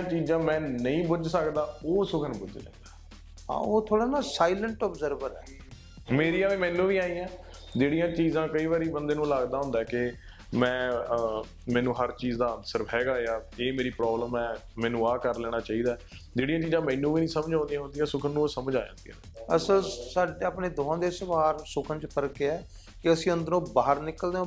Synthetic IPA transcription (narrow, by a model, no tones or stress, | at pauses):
ãːt͡ʃiːzãːmɛ̃ːnəĩːbʊd͡ʒsəkd̪aːoːsʊkʰənbʊd͡ʒd͡ʒã̰ːnd̪aː | ã̰ːoːt̪ʰoːɽaːnaːsaːiləɳʈɔːbzəɾʋəɾɛː | meːɾiːãːʋiːmɛ̃ːnːũːʋiːaːĩːãː | d͡ʒeːɽijãːt͡ʃiːzãːkəiːʋaːɾiːbənd̪eːnũːlaːɡd̪aːɦʊ̃nd̪aːɛkɪ | mɛ̃ː | mɛ̃ːnũːɦəɾt͡ʃiːzd̪aːənsəɾɦɛːɡaːejaːeːmeːɾiːpɾɔːbləmɛːmɛ̃ːnũːaːkəɾlɛːɽ̃aːt͡ʃaːiːd̪aɛ | d͡ʒeːɽijãːt͡ʃiːzãːmɛ̃ːnːũːʋiːnĩːsəmd͡ʒãõːnd̪ijãɦʊ̃nd̪ijãːsʊkʰənːũsəməd͡ʒaːjã̰ːnd̪ijãː | əsəlsaːɖeaːpneːd̪oːãːd̪eːsəʋaːɾsʊkʰənt͡ʃpəɾkeɛː | kɪəsĩːʊnd̪nõːbaːɦəɾnɪkəld̪eõ